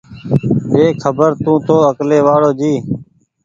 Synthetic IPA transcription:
eːkʰəbəɾt̪ũːt̪oːəkleːʋaːɽoːd͡ʒiː

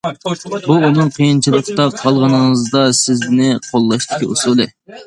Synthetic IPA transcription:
buunɨŋqʰijint͡ʃʰilˠəqt̪ɑp̚qʰɑlˠʁənəŋəzd̪ɑsɪznɪqʰolˠːɑʃt̪ɪ̥kʲiʔusulˠɨ

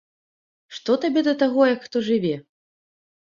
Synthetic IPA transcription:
ʂt̪ɔt̪abʲɛd̪ɐt̪aɣɔjɐkxt̪ɔʐɨvʲɛ

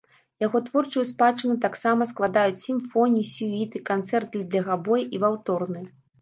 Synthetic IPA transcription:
jaɣɔt̪vɔrt͡ʂujuspat͡ʂɨnut̪aksamɐsklˠad̪ajut͡sʲsʲimfɔnʲiisʲuit̪ɨkant̪sɛrt̪̚ʲd̪lʲɐɣabɔjʔivawt̪ɔrnɨ

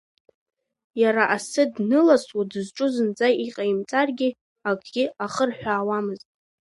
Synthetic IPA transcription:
jaɾaʔasɨdnɨlaswadɨzʈ͡ʂʼʊzɨnd͡zajiqʼaimt͡sʼarɡʲɪ | aɡʼɡʲɪaχərħʷᶣaːwamɨztʼ

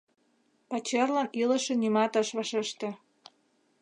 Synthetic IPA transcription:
pɑt͡ɕerlɑnilə̆ʃĕnimɑt̪ɑʃβɑʃeʃt̪ĕ

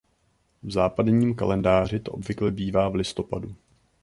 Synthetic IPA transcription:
vzaːpadɲiːmka̰lɛndaːr̝ɪt̪oʔobvɪklɛbiːvaːvlɪst̪o̞padu

